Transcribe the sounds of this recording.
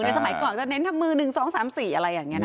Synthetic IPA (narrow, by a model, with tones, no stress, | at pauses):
na˧js̬a˧ma˨˩˦jkɔː˨˩nt͡ɕa˨˩ne˦˥nt̪ʰa˧mːɯː˧˩nɯ˨˩ŋsɔː˨˦ŋsaː˨˩˦msiː˨˩ʔa˧ɾa˧jːaː˨˩ŋːi˦˥ɐn˦˧